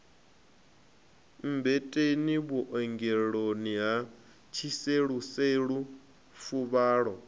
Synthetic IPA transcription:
m̩bɛtʼeniβuʔɔŋɡɛɺoniɦa | t͡ʃʰiseɺuseɺu | fuβaːɺɔ

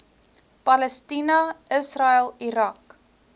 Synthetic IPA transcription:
pɐləstinɐʔəsrɐəlˠiɾɐk

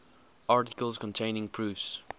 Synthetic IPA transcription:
aɹtɪkəlˠzkʰɔ̃ntʰẽɪ̃nɪ̃ŋpʰɹ̥ʉfs

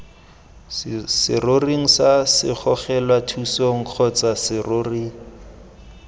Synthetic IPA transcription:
sɪroriŋ̩sasɪχɔχɛlwatʰusoŋ̩q͡χʰɔt͡sasɪroːri

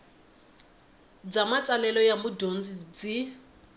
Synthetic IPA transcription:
d͡zamat͡sʼalɛlɔjamʊdond͡zid͡zi

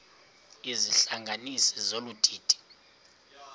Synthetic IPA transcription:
iziɬaŋɡʱanisizolud̥ʱiːd̥ʱʼi̥

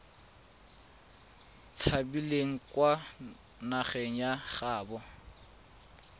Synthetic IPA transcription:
t͡sʰabileŋ̩kwa | naχɛŋ̩jaχaːbɔ

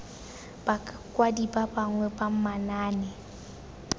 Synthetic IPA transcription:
b̥a | kʼwadibabaŋwɛbam̩manaːnɛ

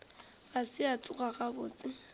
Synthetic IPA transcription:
basɪat͡sʼʊɣʼaɣabʊːt͡sʼɪ

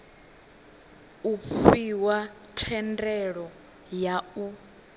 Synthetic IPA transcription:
ufiwa | tʰɛndɛɺɔ | jau

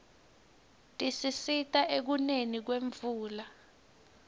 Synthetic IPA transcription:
tʼisisitʼaʔek̬unenik̬weɱvuːla

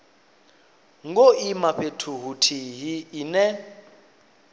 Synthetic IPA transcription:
ŋɡoimaɸetʰuɦutʰiɦiːnɛ

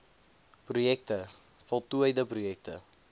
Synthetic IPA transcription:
prujɛk̚tə | fɔlˠtuəjdəprujɛk̚tə̰

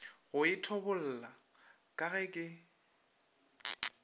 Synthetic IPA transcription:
ɣʊɪtʰɔbʊl̩ːla | kʼaɣɛkʼɪ

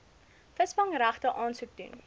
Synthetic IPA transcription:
fəsbɐŋɾæχtəʔɑːnsuk̚dṵn

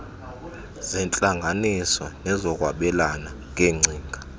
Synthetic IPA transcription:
zɛnt͡ɬʼaŋɡʱanisɔnɛzɔk̬ʼwaɓɛlana | ŋ̬ʼeŋ͡ǀʱiːŋɡʱa

